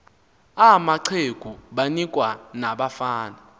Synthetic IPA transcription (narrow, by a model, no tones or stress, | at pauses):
amaǀʰeɡ̥ʱuɓanikʼwanaɓafaːna